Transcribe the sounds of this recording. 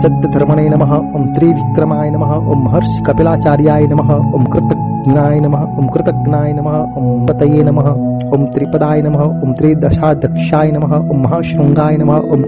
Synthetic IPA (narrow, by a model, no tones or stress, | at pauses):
sɐt̪̚ːɐd̪ʱɐɾmɐnɐjnɐmɐɦɐ̆omt̪ɾiːʋikɾɐmaːjɐnɐmɐɦɐoːmːɐɦɐɾʃi̥kɐpelaːt͡ʃaːɾjaːjɐnɐmɐɦɐomkɾɪt̪ɐɡ | naːjɐnɐmɐɦɐomkɾɪt̪ɐɡnaːjɐnɐmɐɦɐ̆ompɐt̪ɐjeːnɐmɐɦɐ̆ | oːmt̪ɾipɐd̪aːjɐnɐmɐɦɐomt̪ɾiːd̪ɐʃaːd̪ʱɐkʃaːjɐnɐmɐɦɐ̆ʔomːɐɦɐʃɾɐŋɡaːjɐnɐmɐɦɐʔom